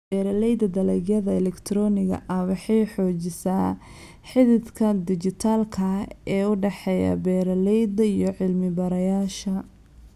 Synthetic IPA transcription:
bɛːɾɐlɛjd̪ɐd̪ɐlɛɣjɐðɐɛlɛkt̪ʰɾɔnɪɣɐ̰ʔɐwɑħɑjħɔːt͡ʃɪsaː | ħɪðɪd̪kʰɐd̪ɪt͡ʃɪt̪ʰaːlkʰɐɛːʊɖɛħɛjɐ̰bɛːɾɐlɛjd̪ɐijɔʕɪlmɪbɐɾɐjaːʃɐ

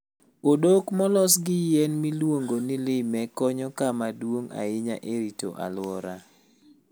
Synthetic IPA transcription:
odokmɔlɔsɡɪjɛnmilwoŋɡonɪlɪmɛkɔɲɔkamadwoŋa̰ɪɲa̰ʔeɾito̰ʔa̰lʊɔɾa̰

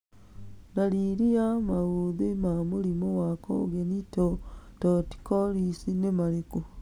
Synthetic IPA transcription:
daɾiɾiamaɣuðimamuɾimowako̰ɡenitototi̥koɾisinemaɾeko

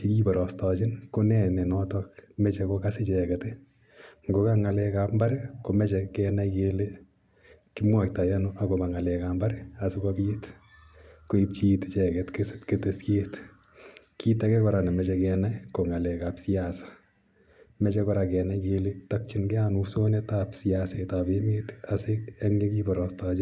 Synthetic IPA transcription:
ikibɔɾɔstɔt͡ʃɪnkonɛnɛnɔtɔkmɛt͡ʃɛkokasɪt͡ʃɛkɛte | ŋɡokaŋalɛkapmbaɾɪkomɛt͡ʃɛkɛnakele | kimwak̚tajanuʔakobaŋalɛkambaɾɪasukɔpjet | koip̚t͡ʃitt͡ʃɛkɛtkestketesket | kʰitɛkɛkɔɾanɛmɛt͡ʃɛkɛnajkoŋalɛkapsiasḁ | mɛt͡ʃɛkɔɾakɛnakeletak̚t͡ʃinɡɛanusonetapsiasatabemetaseɛŋɲekibɔɾɔstad͡ʒo

